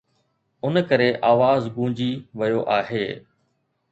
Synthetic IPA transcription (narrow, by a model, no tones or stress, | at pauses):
ʊnkəɾeʔaːʋaːzɡũːd͡ʑiːʋɐjoʔaːɦeː